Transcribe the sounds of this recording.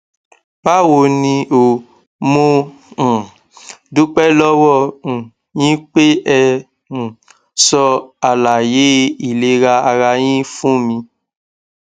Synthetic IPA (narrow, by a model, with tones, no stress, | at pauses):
ba˦wo˧nĩ˧o˨ | mõ˧˨ | du˦k͡pɛ˦lɔ˦wɔ̃˦˨ | jĩ˦k͡pe˦ɛ˧ | ũ˨ | sɔ˧a˨la˨je˨˦i˨le˨˦ɾa˧a˧ɾa˧j̃ĩ˦fũ˦mĩ˧